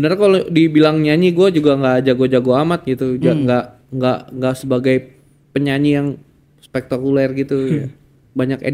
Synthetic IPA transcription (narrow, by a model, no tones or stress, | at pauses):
bənərkalodibilaŋɲaɲiɡuad͡ʒuɡaŋɡad͡ʒaɡod͡ʒaɡoamat̪̚ɡit̪ud͡ʒaŋɡaʔ | ŋɡaʔŋɡaʔsəbaɡaj | pəɲaɲijaŋ | spɛk̚t̪akulɛrɡit̪uja | baɲakḛ